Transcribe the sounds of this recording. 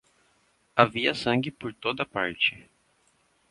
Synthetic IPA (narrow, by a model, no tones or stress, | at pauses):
aviɐsɐ̃ŋɡɪpoɾt̪od̪ɐpaɾt͡ʃɪ